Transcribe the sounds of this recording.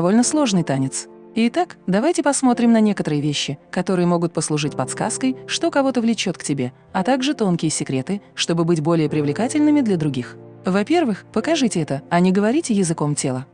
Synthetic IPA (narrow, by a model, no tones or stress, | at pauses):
ɐvolʲnəslˠo̞ʐnɨjt̪anʲɪt̪s | ɪt̪akd̪ɐvajtʲɪpɐsmo̞t̪ɾʲɪmnɐnʲekət̪əɾɨjəvʲeɕːɪkɐt̪o̞ɾɨjəmo̞ɡʊt̪̚pəslˠʊʐɨtʲpɐt̪ska̰skəjʂt̪o̞kɐvo̞t̪əvlʲɪt͡ɕo̞t̪ktʲɪbʲe̞ | ɐt̪aɡʐɨt̪o̞nkʲɪjəsʲɪkɾʲe̞t̪ɨʂt̪o̞bɨbɨtʲbo̞lʲɪjəpɾʲɪvlʲɪkatʲɪlʲnɨmʲɪd̪lʲɐd̪ɾʊɡʲixvɐpʲe̞rvɨxpəkɐʐɨtʲɪɛt̪əɐnʲɪɡəvɐɾʲitʲɪjɪzɨko̞mtʲelˠə